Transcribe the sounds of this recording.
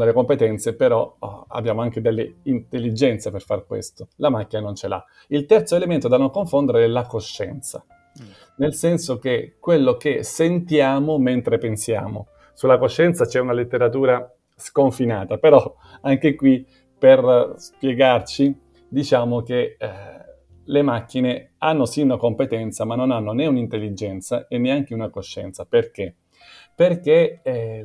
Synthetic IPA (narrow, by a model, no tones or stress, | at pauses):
d̪elːekompet̪ɛnt̪sepeɾɔa̰bːjaːmoaŋk̟ed̪elːḛint̪elːid͡ʒɛnt̪seperfarkwḛst̪olamakːinanont͡ʃela̰ | ilt̪ɛrt̪soelement̪od̪anoŋkoɱfond̪eɾeɛlakoʃːɛ̰nt̪sa̰ | nelsɛnsok̟ekwelːokesent̪jaːmoment̪ɾepensja̰ːmo̰ | sulːakoʃːɛnt̪sat͡ʃɛunalet̪ːeɾat̪uːɾa | skoɱfinaːt̪apeɾɔ | aŋk̟ekwi | perspjeɡart͡ʃi | d̪it͡ʃaːmoke | lemak̟ːine | anːosiunakompet̪ɛnt̪samanːonanːoneunint̪elːid͡ʒɛnt̪saenːeaŋk̟eunakoʃːɛ̰nt̪saperke | perke